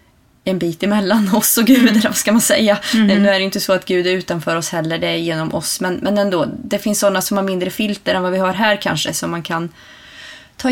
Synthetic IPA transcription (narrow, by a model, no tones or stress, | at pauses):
ɛnbiːt̪ɪmɛlːanɔsɔɡʉ̟ːd̪ælvaskamansɛjːanɛnʉːæɖɛjʏnt̪ːəsɔat̪ɡʉ̟ːd̪æɾʉ̟ːt̪anfœːɾɔshɛlːəɖɛjeːnɔmʔɔsmɛnmʔɛnɛnd̪oːd̪ɛfɪnsːɔnːasɔmhaɾmɪnd̪ɾəfɪlt̪əɾɛnvavɪhaɾɦæːɾkʰa̰nʂə̰sɔmːankʰan | t̪ʰɑː